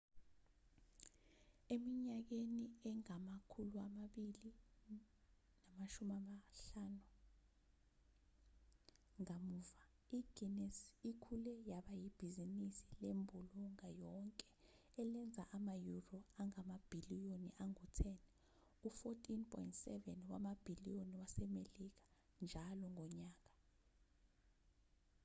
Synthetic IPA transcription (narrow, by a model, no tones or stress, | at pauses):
emiɲak̬eniɛŋamakʰuluamaɓili | namaʃumamaɬaːnu | ŋamuva | iɡ̥inɛsikʰulɛjaɓajib̥ʱizinisilembʱuluŋajɔŋkʼɛ | ɛlɛnd͡zʱaʔamajurɔaŋamab̥ʱilijoniʔaŋutʰɛnɛ | ufotʰʼinpʰʼɔ̰jintsɛvɛnwamab̥ʱilioniwasɛmelik̬ḁ | nd͡ʒʱalɔŋʱɔɲaːk̬ʼḁ